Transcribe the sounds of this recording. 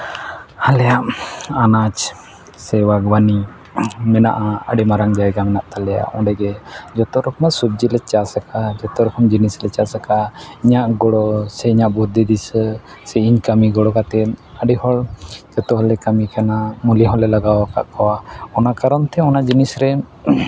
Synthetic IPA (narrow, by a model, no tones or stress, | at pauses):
halɛjaʔanat͡ʃ | sɛwaɡwani | mɛna̰ʔaə̰ɖimaɾaŋd͡ʒajɡamɛnaʔt̪alɛja̰ʔɔ̃ɖɛɡɛd͡ʒɔt̪ɔɾɔkʰɔmasub̚d͡ʒilɛt͡ʃasakad͡ʒɔt̪ɔɾɔkʰɔmd͡ʒinislɛt͡ʃasakaiɲaʔɡɔɽɔsɛiɲaʔbud̪ʱid̪is | sɛiɲkamiɡɔɽɔkat̪ɛnəɖihɔld͡ʒɔt̪ɔɦɔlɛkamikanamuliaɦɔlɛlaɡawka̰ʔkɔwaɔnakaɾɔnt̪ʰɛɔnad͡ʒinisɾɛ